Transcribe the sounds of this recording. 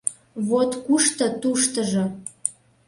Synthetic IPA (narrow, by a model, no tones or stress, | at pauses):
βot̪kuʃt̪ɤ̆t̪uʃt̪ə̆ʒɤ